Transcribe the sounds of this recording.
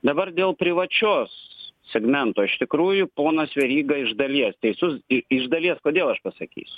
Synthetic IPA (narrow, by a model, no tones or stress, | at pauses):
d̪ɐbɐrd̪ʲeːlˠpʲɾʲɪʋɐt͡ʃʲoːssʲɛɡmʲɛnt̪oːɪʃt̪ʲɪkɾuːjʊpoːnɐsʋʲɛɾʲiːɡɐɪʒd̪ɐlʲiɛst̪ʲɛɪsʲʊsɪɪʒd̪ɐlʲiɛskoːd̪ʲeːlˠɐʃpɐsɐkʲḭːsʲʊ̥